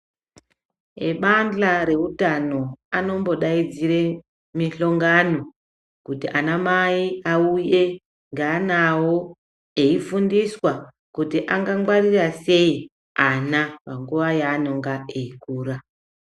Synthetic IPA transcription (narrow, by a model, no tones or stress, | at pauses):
ḛɓand͡ɮaɾe̞utano̞ano̞mbo̞ɗaid͡zire̞ | miɬo̞ŋɡano̞ | kutiʔanamaiauje̞ | ŋɡaːnawo | e̞ifundiswa | kutiʔaŋɡaŋɡwarirase̞i | anapaŋɡuʋajaːno̞ŋɡaeikuːɾa